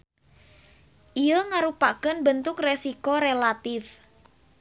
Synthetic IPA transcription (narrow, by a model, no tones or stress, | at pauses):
ʔijəŋaɾupakənbənt̪ʊkresikoɾelat̪ɪf